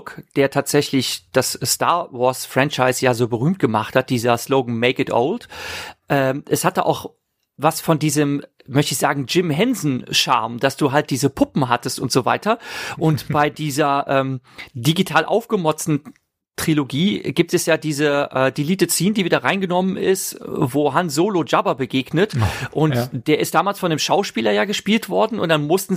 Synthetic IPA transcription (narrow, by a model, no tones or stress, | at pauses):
kd̥eːɐtʰaːtz̥ɛçlɪçd̥assta̰ɐvɔɐsfʁ̥ɛnt͡ʃaɪsjaːzoːbəʁ̞yːmt̚ɡ̥əma̰χthat̚d̥iːzɐsloʊɡŋ̩meɪkɪtʔo̰ʊltʔɛːʔɛshat̚a̰ʔa̰ʊx | vasfɔndiːzəm | mœçtəɪçz̥aːɡŋ̩d͡ʒɪmɦɛnzn̩ʃa̰ɐmd̥asd̥uːɦalt̚d̥iːzəpʰʊpm̩ɦatəstʊntz̥oːva̰ɪtɐʔʊntb̥aɪdiːzɐʔɛːmdiɡitʰaːlʔa̰ʊfɡ̥əmɔt͡stn̩ | tʁ̥iloɡiːɡiːp̚tɛsjaːdiːzəʔɛːdiːliːtət͡siːndiːviːdɐʁaɪnɡənɔmənɪ̰stvoːɦanszoːlod͡ʒabɐbəɡeːɡnətʔʊnd̥eːɐʔɪst̚d̥aːmaːlsfɔndeːmʃaʊʃpiːlɐjaːɡəʃpiːltv̥ɔɐdn̩ʔʊnt̚d̥anmʊstn̩